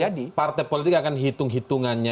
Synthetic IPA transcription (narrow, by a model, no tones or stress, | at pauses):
adipart̪ɛjpolit̪ɪkakanɦit̪ʊŋɦit̪uŋanɲa